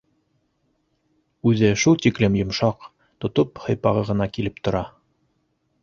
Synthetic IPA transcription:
ʉðɘʃulˠt̪iklɘmjŏmʃɑq | t̪ŏt̪ophɤ̆jpɑʁɤʁɤ̆nɑkilɘp̚t̪ŏɾɑ

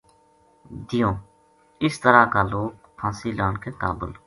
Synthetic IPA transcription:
d̪ɪjõː | ɪst̪əɾaːkaːloːk̚ | pʰãːsiːlaːɳkeːkaːbə̰l

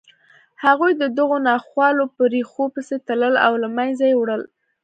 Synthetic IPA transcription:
haɣujd̪əd̪əɣonɑxwɑlopəɾixopəset̪aləla̰wlamajzajewɽəl

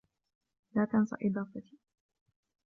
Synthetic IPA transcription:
laːt̪ansˤɑ̰ʔɪd̪ˤɑːfat̪i̥ː

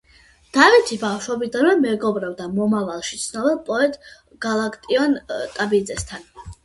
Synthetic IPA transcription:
d̪̥avit̪ʰibafʃɔbid̪anvɛmɛɡɔbɾɛbd̪amɔmavalˠʃi̥t̪sʰnɔbɛlˠpʼɔɛt̪ʼ | ɡ̥alˠakʼt̪ʼiɔnt̪ʼabid̪zɛst̪ʰan

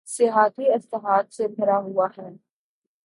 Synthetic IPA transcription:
sɪɦaːt̪iɪsləɦaːt̪sepʰɐɾaɦʊaɦɛː

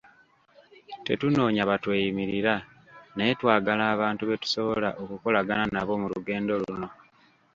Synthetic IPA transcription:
te̞̰tuno̞ːɲaβatweːjimiɾiɾa | nejetwaːɡalaːβaːntuβe̞tu̥so̞βo̞laʔo̞kuko̞laɡananaβo̞muluɡe̞ːndo̞luuno̞

